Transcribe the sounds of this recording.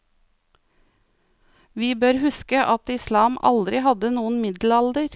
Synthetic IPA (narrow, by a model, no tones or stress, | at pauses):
ʋiːbøːɾhʉskəʔɑt̪ɪslɑːmʔɑ̰ld̪ɾɪhɑd̪ənuːnmɪd̪l̩ɑld̪əɾ